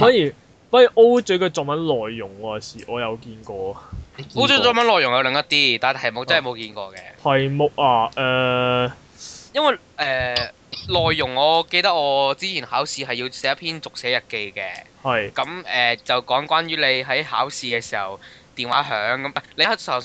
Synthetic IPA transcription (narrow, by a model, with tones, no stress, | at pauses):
faː˨˥njyː˨˩ | pɐ˥˨ʔo˥wt͡ʃɵ˧˥kɵ˧t͡sɔː˨mɐ˨˥nlɔː˨jːʊ˨˩ŋɐ˧˨siː˨˩ʔɔː˨˧jɐ˨˧wkiː˧nkɔː˧o˥t͡ʃɵ˨˥t͡sɔ˨˥mɐ˨˥nlɔː˨˩jʊ˨˩ŋjɐ˧wlɪ˨˥ŋt̪ɐ˥t̪iː˥t̪aː˨˩˨t̪ʰɐ˨˩jmʊ˨k̚t͡sɐ˥nhmo˨˧wkiː˧nkɔ̰ː˧kɛ̰ː˧ɐ˨jmo˨˩k̚aː˧ʔɛː˨ | jɐ˥nwɐ˨j | ʔɛː˨˧ | lɔː˨jːʊ˨˩ŋɔː˨˧ke˧jt̪ɐ˥k̚ɔː˨˧t͡siː˥t͡sʰiː˨˩nhaː˨˥wsiː˧ɦɐ˨jiː˧wsɛː˨˥jpʰiː˥nt͡sʊ˨k̚sɛː˨˥jɐ˨t̚ke˧jkɛ̰ː˧hɐ˨jkɐ˨˧˥mʔɛː˨t͡sɐ˨wkɔː˨˥ŋkʷaː˥nɥyː˨˥le˨˧jɦɐ˨˥jhaː˨˥wsiː˧kɛː˧siː˨˩hɐ̰˨˩wt̪iː˨nwaː˨˥ɦœː˨˥ŋkɐ˨˦mʔɐ˨˩le˧˥˨sɐ˨˩